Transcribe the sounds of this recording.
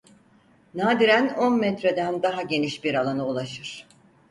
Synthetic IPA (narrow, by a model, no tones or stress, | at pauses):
naːd̪iɾæno̞nmɛt̪ɾe̞d̪ænd̪aɦaɟe̞niʃbiɾalˠanɯulˠaʃɯɾ̥